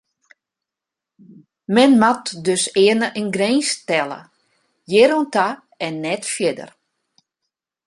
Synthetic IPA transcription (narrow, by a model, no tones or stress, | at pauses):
mɛnmatdøsɪənəʔənɡreːnstɛlˠə̰ | jɪɾonta | ɛnːɛtfjɪdə̰r